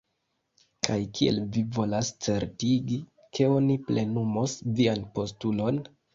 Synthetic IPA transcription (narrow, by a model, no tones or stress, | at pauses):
kʰajkʰie̞̰lvivo̞last͡se̞ɾtiɡi | kʰe̞o̞niple̞numosvianpo̞stulo̞n